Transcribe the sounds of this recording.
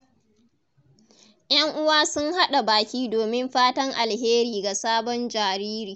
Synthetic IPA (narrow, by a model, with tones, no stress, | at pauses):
j̰ɐ˦ŋʔʊ˦waː˦sʊ˦ŋha˦ɗa˨baː˨kʲiː˦doː˨mɪ˦mɸaː˦tɐ˦ŋʔa˨lɦeː˦ɾiː˨ɡa˨saː˦bɔ˦nd͡ʒaː˨ɾiː˦ɾiː˨